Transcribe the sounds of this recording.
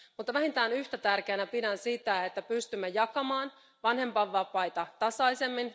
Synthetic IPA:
mut̪ːɑʋæɦint̪æːnyht̪æt̪ærkeːnæpidænsit̪æet̪ːæpyst̪ymːejɑkɑmɑːn | ʋɑnhe̞mpɑʋːɑpɑjt̪ɑt̪ɑsɑise̞mːin

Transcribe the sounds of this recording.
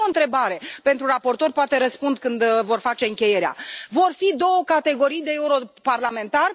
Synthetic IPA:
oɨnt̪ɾe̞baɾe̞pe̞nt̪ɾurapo̞rt̪o̞rʲpoat̪e̞ɾəspund̪kɨnd̪vo̞rfat͡ʃe̞ɨŋkʲe̞je̞ɾea̰vo̞rfid̪o̞wəkat̪e̞ɡo̞ɾijd̪e̞euɾo̞parlame̞nt̪ar

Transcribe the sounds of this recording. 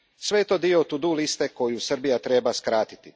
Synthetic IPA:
sʋe̞jet̪o̞ːd̪iot̪ud̪ulist̪eko̞jusr̩bijat̪ɾe̞ːbaskɾaːt̪i̥t̪i

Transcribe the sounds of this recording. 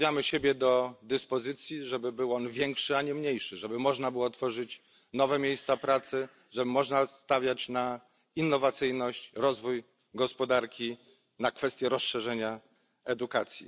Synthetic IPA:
jamɘɕebʲjɛd̪ɔd̪ɘspɔzɘt̪sʲjiʐɛbɘbɘwɔnvʲjɛŋkʂɘaɲɛmɲejʂɘʐɛbɘmɔʐnabɘwɔt̪fɔʐɘt͡ɕ | nɔvɛmʲjejst̪sapɾat̪sɘ | ʐɛbɘmɔʐnast̪avʲjat͡ɕna | inːɔvat̪sɘjnɔɕt͡ɕɾɔzvuj | ɡɔspɔd̪aɾkʲi | nakfɛst̪ʲjɛɾɔsʂɛʐɛɲa | ɛd̪ukat̪sʲjḭ

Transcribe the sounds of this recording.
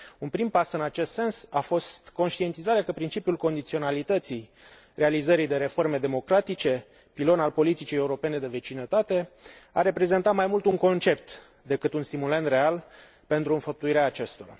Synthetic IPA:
unpɾimpasɨnat͡ʃe̞st̪se̞nsafo̞st̪ko̞nʃt̪ie̞nt̪izaɾeakəpɾint͡ʃipjulko̞nd̪it̪sio̞nalit̪ət̪sij | re̞alizəɾijd̪e̞ɾe̞fo̞rme̞d̪e̞mo̞kɾat̪it͡ʃe̞ | pilo̞nalpo̞lit̪it͡ʃije̞uɾo̞pe̞ne̞d̪e̞vet͡ʃinət̪at̪e̞aɾe̞pɾe̞ze̞nt̪at̪majmult̪uŋko̞nt͡ʃe̞p̚t̪ | d̪e̞kɨt̪unst̪imulent̪re̞al | pe̞nt̪ɾuɨnfəp̚t̪uiɾeaːt͡ʃe̞st̪o̞ɾa̰

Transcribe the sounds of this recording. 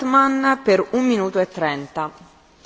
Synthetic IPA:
t̪manpeɾumːinuːt̪uɛt̪ːɾɛnt̪a

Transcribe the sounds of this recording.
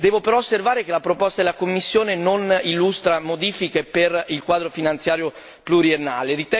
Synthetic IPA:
d̪ɛːvopeɾɔosːervaːɾekelapɾopost̪ad̪elakomːisːjoːnenonilːust̪ɾamod̪iːfikeperilkwaːd̪ɾofinant̪sjaːɾjo | pluɾienːa̰ːleɾit̪ɛ

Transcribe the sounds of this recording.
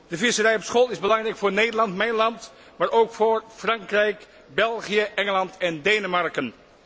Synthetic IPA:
d̥əvɪsərɛjɔpsχolˠɪzbəlɑŋrɛjkfʊːɹnejdəɹlɑntmɛjnlɑnt | maːɹʔowkfoːɹfrɑŋkrɛjk | bɛlˠχijəʔɛŋəlɑntɛndejnəmɑɹkən

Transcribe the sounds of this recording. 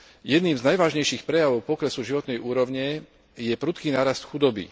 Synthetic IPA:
jɛd̪niːmznajʋaːʒɲɛjʃiːxpɾɛjaʋɔʊpɔkɾɛsuʒiʋɔt̪nɛjʔuːɾɔʋɲɛ | jɛpɾut̪kiːnaːɾast̪xud̪ɔbḭ

